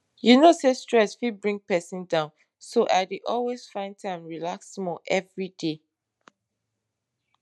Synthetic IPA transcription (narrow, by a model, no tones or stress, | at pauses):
junosestɹɛsfibɹĩŋɡ̚pɛsĩndãʊ̃n | soʔaɪdeʔɔlwez̥fãɪ̃ntʰãɪ̃mɹilaksmɔʔɛvɹide